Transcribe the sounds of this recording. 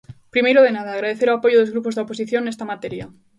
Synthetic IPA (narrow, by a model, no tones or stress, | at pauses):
pɾimejɾoð̞enað̞aːɣɾaðeθeɾoapo̞ʝoðoɣɾupo̞zðeopos̬iθjo̞nest̪amat̪eɾja